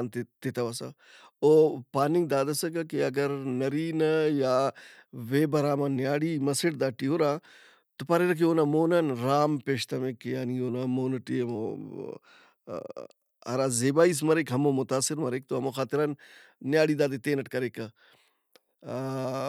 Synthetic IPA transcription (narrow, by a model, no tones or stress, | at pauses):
nt̪t̪et̪ɐʋasa̰ | oːpaːnɪŋɡ̚d̪aːd̪ɐsɐk̬ɐkeɐɡɐɾnɐɾiːnɐjaːʋeːbɐɾaːmãːnjaːɽimɐseʈd̪aːʈiɦoɾãː | t̪opaɾeɾɐk̬ʰioːnaːmoːnanɾaːmpeːʃt̪ɐmekːjaːnioːnamoːnɐʈiːmo̰ | ɐ̰ɾaːzeːbaːis̬mɐɾekɦɐmoːmʊt̪aːsɪɾmɐɾeːk̚t̪oɦɐmoxaːt̪ɪɾanːjaːɽiːd̪aːd̪et̪eːnɐʈkɐɾeːkɐ